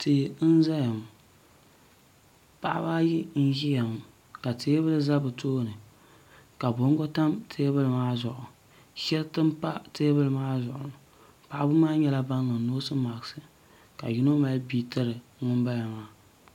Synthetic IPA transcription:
tʰɨ˨˦n̩˦za˦ja˨m˨ | pa˨ʔa̰˦baː˦jɪ˦n̩˦ʒi˦ja˨m˨ | ka˨tʰeː˦bɨ˦lɨ˦za˦bɨ˨tʰoː˦˨nɨ˨ | ka˨bo˦ŋ˦ɡɔ˦ta˦mtʰeː˦bɨ˦lɨ˨maː˦zʊ˨ʔʊ˨ | ʃɛ˦ltɨ˦mpa˦teː˦bɨ˦lɨ˦maː˦zʊ˨ʔʊ̰˨nɨ˨ | pa˨ʔbɨ˦maː˦ɲɛ˦la˦ba˦nːɨ˨noː˦sɨ˦ma˨ɡsɨ˦ | ka̰˨ji˦no˦ma˦lbi˦tɨ˦ɾɨ˨ŋʊ˦mba˦ja˨maː˦

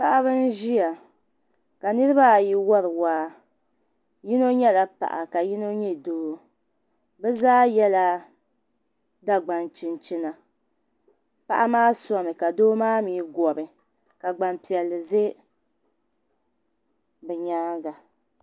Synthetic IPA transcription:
pa˨ʔa˦βɨ˦n˦ʒi˦ja˨ | ka˨nɨ˦ɾɨ˦ba˦˨ji˦wɔ˦ɾɨ˨waː˦ | ji˦no˦ɲɛ˦la˨pa̰˨ʔa̰˨ka˨ji˦no˦ɲɛ˦doː˦ | bɛ˦zaː˦jɛ˦la˦ | da˦ɡ͡ba˨nt͡ʃɪ˨nt͡ʃi˦na˨ | pa˨ʔa˦maː˦sɔ˦mɨ˨ka˨doː˦maː˦miː˨˦ɡɔ˨bɨ˨ | ka˨ɡ͡ba˨mpi˨ɛ˨lːɨ˨ze˦ | bɛ˨ɲaː˦ɡa˨

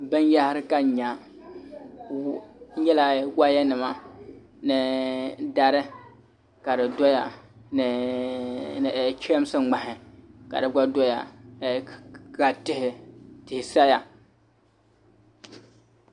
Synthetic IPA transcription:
bɨ˦nja˦hɪ˦ɾɨ˦ka˦˨ɲa˨˦ | ɲɛ˦la˦wa˦ja˦nɨ˨ma˦ | nɨ˨da˦ɾɨ˦ | ka˨dɨ˨dɔ˦ja˨n˨ | t͡ʃɛ˦m˦sɨ˦˨ŋ͡ma˨ɦɪ˨ka̰˨dɨ˨ɡ͡ba˦dɔ˦ja̰˨ | ɡa˨tɪ˦hɪ˨tɪ˨hɪ˨sa˦ja˨

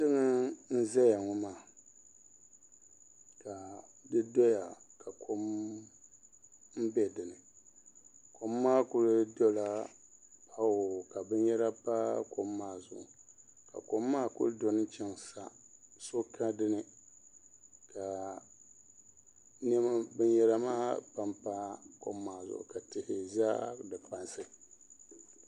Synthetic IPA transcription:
tɨ˦ŋɨ˦n̩˦zɛ˦ja˨ŋɔ˨maː˦˨ | ka˨dɨ˦dɔ˦ja˨ | ka˨kʰo˦m | m̩˦bɛ˦dɨ˨nɨ˨ | ko˨mːaː˦kʊ˦ɾɨ˦dɔ˦la˦pa˦wo˨ka˨bɨ˦n˦jɛ˦ɾa˦pa˦ko˨mː˦aː˦˨zʊ̰˨ʔʊ˨ka̰˨ko˨mːaː˦kʊ̰˦ɾdo˨nɨ˦nt͡ʃɛ˦ŋsa̰˨ | so˦ka˦dɨ˦nɨ˨ | ka˨ | nɛ˦ma˦bɨ˦njɛ˦ɾa˦maː˦pa˦mpa˦ko̰˨mːaː˨zʊ̰˦ʔʊ̰˨ka˨tɪ˨hɪ˨zaː˦dɨ˨pa˦nsɨ˨

